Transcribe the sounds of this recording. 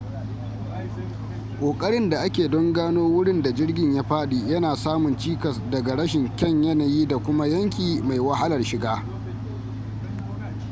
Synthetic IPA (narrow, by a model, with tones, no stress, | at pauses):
kʼoː˨kʼɐ˦ɽɪ˦nda˨ʔa˦kʲeː˨dɔ˦ŋɡaː˦noː˦wʊ˦ɽɪ˦nda˨d͡ʒɪ˦rɡʲɪ˨ɲjaː˦ɸaː˦ɗiː˨jɐ˦naː˨saː˦mʊ˨nt͡ʃiː˦kɐ˨sdɐ˨ɡa˨ɽɐ˦ʃɪ˨ŋkʲɐ˦ɲjɐ˦naː˨jiː˦da˨kʷʊ˦ma˦jɐ˦ŋkʲiː˨ma˨jwa˦ha˦lɐ˨rʃɪ˨ɡaː˦